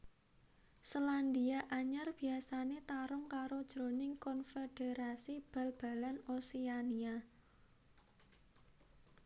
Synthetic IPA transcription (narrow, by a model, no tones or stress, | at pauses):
səland̪iaʔaɲarb̥i̤asanet̪aɾʊŋkaɾod̥ʒ̥ɾo̤nɪŋkɔnfeɖ̥eɾasib̥a̤lb̥a̤lanosiania